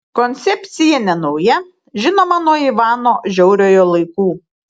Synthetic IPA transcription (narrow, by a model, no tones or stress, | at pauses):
kɔnʲt̪sʲɛpʲt̪sʲɪjɛnʲɛnɐʊjɛ | ʒʲɪnoːmɐnuɔiːʋɑːnoːʒʲɛʊɾʲoːjoːlˠɐɪkuː